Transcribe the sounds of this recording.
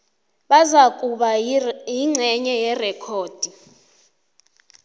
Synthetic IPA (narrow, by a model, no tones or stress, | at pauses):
ɓazakʼuɓajiŋ͡ǀʱɛɲɛjɛrɛkʰoːd̥ʱi